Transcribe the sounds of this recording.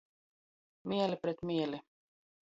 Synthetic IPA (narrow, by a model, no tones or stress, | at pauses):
miɛlipɾet̪miɛli